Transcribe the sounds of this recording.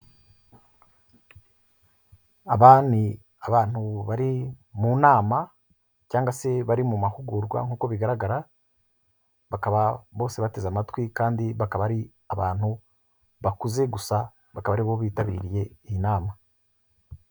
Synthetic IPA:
aβaːni | aβaːn̥huβaɾimunaːma | caːŋɡase̞βaɾimumahuɡuɾɡwa̰ŋ̥uːko̞βiɡaɾaɡaɾa | βakaβaβo̞ːse̞βate̞zamatwikaːndiβakaβaɾi | aβaːn̥hu | βakuze̞ɡusa | βakaβaɾiβo̞βiːtaβḭːɾije̞iinaːma

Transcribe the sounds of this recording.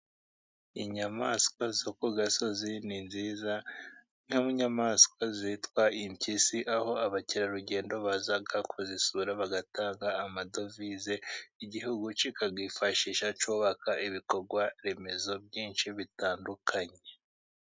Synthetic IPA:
iɲamaskwazokuɡaso̞zininziːza | n̥amuɲamaskwazitwaimcisiʔaho̞aβaciɾaɾuɟe̞ːndo̞βazaɡakʰuzisuɾaβaɡataːŋɡaːmado̞vizeiɟihuɡut͡ʃikaɡiːfaʃiːʃat͡ʃuːβakaʔiβiko̞ɾɡwaɾe̞me̞zo̞b̚ɟiːnʃiβitaːndukʰaɲe̞

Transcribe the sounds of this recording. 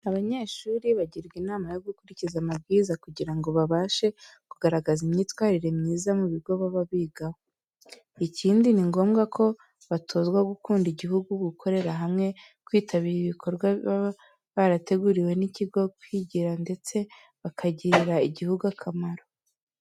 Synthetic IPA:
aβaɲe̞ːʃuːɾiβaɟiɾɡinaːmajo̞ɡukuɾicizamab̚ɡiːzakuɟiɾaŋɡo̞βaβaːʃe̞kuɡaɾaɡazimɲiːtwaːɾiɾe̞mɲiːzamuβiɡo̞βaβaβiːɡaho | icʰiːndiniŋɡo̞ːmɡakʰo̞ | βatʰo̞zɡwaɡukuːndiɟiɦuɡuɡukʰo̞ɾe̞ɾaɦamŋe̞ | kwiːtʰaβiːɾiβikʰo̞ɾɡwa | βaɾate̞ɡuɾiwe̞niciɡo̞kwiɟiɾande̞t͡se̞ | βakʰaɟiɾaiɟihuɡuakʰamaɾo̞

